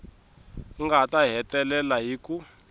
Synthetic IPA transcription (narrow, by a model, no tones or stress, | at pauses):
ŋɡatʼaɦɛtʼɛlɛlaɦiːku